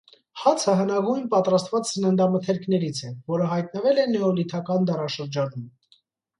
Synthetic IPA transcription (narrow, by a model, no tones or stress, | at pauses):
hɑt͡sʰəɦənɑɡujnpɑt̪ɾɑst̪vɑt͡ssənənd̪ɑmət̪ʰɛɾkʰnɛɾit͡sʰɛvɔɾəɦɑjt̪̚nəvɛlɛnɛɔlit̪ʰɑkɑnd̪ɑrɑʃəɾd͡ʒɑnum